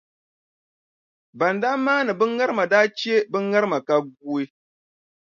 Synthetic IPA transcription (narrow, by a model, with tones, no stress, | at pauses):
ba˨ndaː˦maː˦nɨ˨bɨ˦ŋa˦ɾɨ˦ma˨daː˦t͡ʃi˦e˦bɨ˦ŋa˦ɾɨ˦ma˨ka˦ɡuː˦e˦